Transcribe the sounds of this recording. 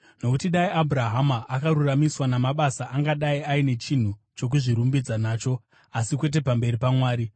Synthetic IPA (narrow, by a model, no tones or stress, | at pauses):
no̞kutiɗaiʔabʱuɾaɦamaʔakaɾuramiswanamaɓasaʔaŋɡaɗaiaine̞t͡ʃin̤u | t͡ʃo̞k̬uʐiɾumbid͡zanaːt͡ʃo̞ | asikwe̞t̬e̞pambe̞ripamwaːɾi